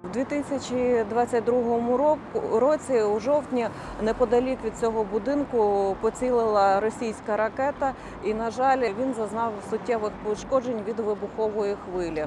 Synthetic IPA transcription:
wd̪ʲʋʲit̪ɪsʲɐt͡ʃʲid̪ʋɑt͡sʲːɐt̚ʲd̪ɾuɦɔmʊɔkɾɔt͡sʲiuʒɔwt̪ʲnʲi | nɛpɔd̪ɐlʲikʋʲid̪̚t͡sʲɔɦɔbʊd̪ɪnkʊpɔt͡sʲilˠɪlˠɐɾɔsʲijsʲkɐɾɐkɛt̪ɐ | inɐʒɑlʲʋʲinzɐznɑwsʊtʲːɛʋɪxpɔʃkɔd͡ʒenʲʋʲid̪ʋɪbʊxɔʋɔjixʋɪlʲi

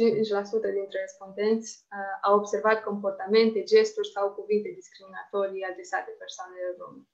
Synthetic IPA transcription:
t͡ʃit͡ʃʲlasut̪əd̪int̪ɾerespo̞nd̪e̞nt̪sʲawobse̞rvat̪ko̞mpo̞rt̪ame̞nt̪e̞d͡ʒe̞st̪urʲsawkuvint̪e̞d̪iskɾiminat̪o̞ɾiad̪ɾe̞sat̪e̞persoaneled̪o̰mn

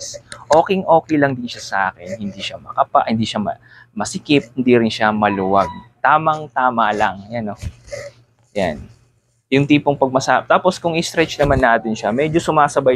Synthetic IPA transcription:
sʔo̞ːkɛŋʔo̞ːkɛjlɐŋd̪ɪnʃasɐʔa̰ːkɛnhɪnd̪iʃamɐkɐpa̰ʔhɪnd̪iːʃamɐ̰ | mɐsɪkɪp̚hɪnd̪iːɾɪnʃamɐluwɐɡ̚t̪aːmɐŋt̪aːmɐlɐŋjano | ja̰n | jʊŋt̪iːpoŋpɐɡ̚mɐsaːt̪aːposkʊŋɪst̪ɾɛt͡ʃnɐmanːaːt̪ɪnʃɐmɛd͡ʒo̞sʊmaːsɐba

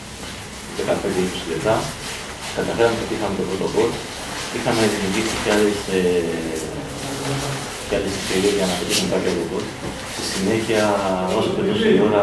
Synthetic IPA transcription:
ðekɐpend̪eikosileft̪ɐ | kɐt̪ɐfe̞ɾɐmeot̪iixɐmet̪opɾot̪okolt̪ | ixɐme̞ðimiuɾʝiksiceɐlese | cealesesteɾieʝɐnɐpit̪esnip̪ɐcot̪okot̪ | stisine̞çiɐosop̪eloseioɾɐ

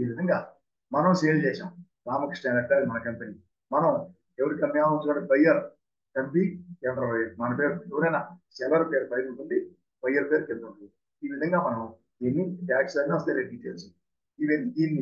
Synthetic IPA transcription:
iːʋid̪ʱɐŋɡaː | mɐnɐmseːld͡ʒɛːʃaːm | ɾaːmɐksʈaːnɖɐʈɡaːɐd̪imɐnɐkɐmpeniː | mɐnɐm | eʋɐɾikɐmːjaːmunt͡ʃunɐːbɐjɐɾ | kɐmpiɛnɐɾɐbɐjɐɾmɐnɐpeːɾueʋɐɾɐjnɐsɛlɐɾpeːɾbɐjuɳʈuɳɖi | b̥ɐjɐɾpeːɾukeld̪uɳui | iːʋid̪ʱɐŋɡaːmɐnɐm | enːiʈaːksɐɡniɐst̪eːɾeɖiːʈeːlsui | iʋɐnːiiːnːi

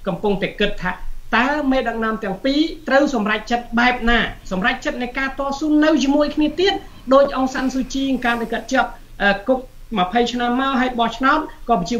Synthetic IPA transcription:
kɑmpuŋt̪aɛkɨt̪ʰːaːt̪aəmeːɗək̚nɔ̆əmt̪ɛ̆əŋpiːt̪rəwsɑmrac̚t͡ɕət̪̚ɓaɛp̚naːsɑmrac̚t͡ɕət̪̚nɨjkaːt̪ŏəsuːnːɨwt͡ɕiəmuəjkʰniət̪iət̪̚ | ɗoːc̚ʔoŋsansut͡ɕiːŋkaːnɗakət̪̚t͡ɕɔ̆əp̚ | ʔəːkuk̚ | məpʰəjt͡ɕʰnamːaɔɦaəjɓɑht͡ɕʰnaɔt̪̚kɑːpɑt͡ɕiə

